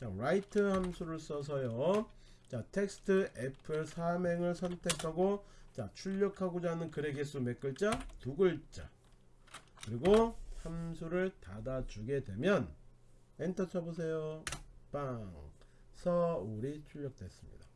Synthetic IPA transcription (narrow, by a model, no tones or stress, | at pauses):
t͡ɕaɾaitʰɯhamsʰuɾɯɭs͈ʌs̬ʰʌjo | t͡ɕatʰe̞k̚s͈ʰɯ̥tʰɯʔepʰɯɭsʰame̞ŋɯɭsʰʌntʰe̞kʰaɡot͡ɕat͡ɕʰuʎːʌkʰaɡod͡ʑanɯnkɯɾe̞ɡes͈ume̞k͈ɯɭt͡ɕ͈atuɡɯɭt͡ɕ͈a̰ | kɯɾiɡohamsʰuɾɯɭtadat͡ɕuɡe̞dwe̞mjʌn | entʰʌt͡ɕʰʌbos̬ʰe̞jopaŋ | sʰʌuɾit͡ɕʰuʎːʌk̚t͈we̞s͈ɯmɲḭda